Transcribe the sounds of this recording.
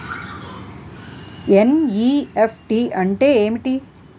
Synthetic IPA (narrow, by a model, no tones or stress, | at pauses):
eniepʰʈiɐɳʈeemʈi